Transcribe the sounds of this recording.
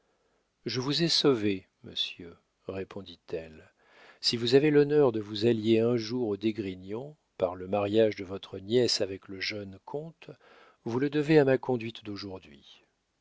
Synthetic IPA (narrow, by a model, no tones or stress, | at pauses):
ʒəvuzɛsove | mə̰sjø | ʁepʰɔ̃d̪it̪ʰɛl | sivuzavelɔnœʁd̪əvuzaljeɛ̃ʒuʁod̪eɡʁinɔ̃ | paʁləmaʁjaʒd̪əvɔt̪χənjɛsavɛkləʒœnkʰɔ̃t̪ | vuləd̪əveamakɔ̃d̪ɥit̪d̪oʒuʁd̪ɥi